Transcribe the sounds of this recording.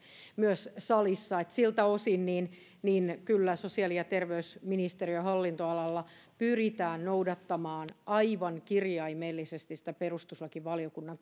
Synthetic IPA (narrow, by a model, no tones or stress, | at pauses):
myøssɑlisːɑet̪silt̪æosinniːn | niːnkylːæsosiɑlijɑt̪erʋeysminist̪eriøhɑlːint̪oɑlɑlːɑpyrit̪æːnnoudɑt̪ːɑmɑːnʔɑiʋɑŋkirjɑimeːlːisest̪isĭ̥t̪æperust̪uslɑkiʋʋɑliokunːɑŋ